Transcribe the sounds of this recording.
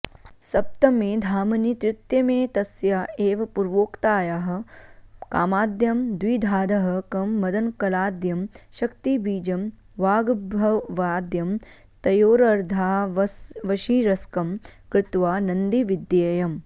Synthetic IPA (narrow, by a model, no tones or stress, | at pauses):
sɐp̚t̪ɐmeːd̪ʱaːmɐnit̪ɾɪt̪jɐmeːt̪ɐsjaːeːʋɐpuɾʋoːkt̪aːjaɦɐ̆kaːmaːd̪jɐmd̪wiːd̪ʱaːd̪ɐɦɐkɐmːɐd̪ɐnkɐlaːd̪jɐmʃɐkt̪ibiːd͡ʒɐm | ʋaːɡbʱɐʋaːd̪jɐm | t̪ɐjoːɾɐɾd̪ʱaː | ʋɐʃiːɾɐskɐmkɾɪt̪ʋaːnɐnd̪iʋid̪jeːjɐm